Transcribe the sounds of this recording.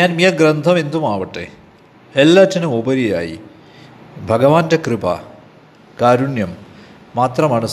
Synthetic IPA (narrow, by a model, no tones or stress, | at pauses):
ɲaːnmijɐɡɾɐnd̪ʱɐme̞nd̪umaːʋɐʈːḛ | elːaːtːɐnumobɐɾija̰ːjḭ | bʱɐɡɐʋaːndɐkrɨpa̰ | kaːɾunjɐmː | aːt̪rɐmaːɳɐ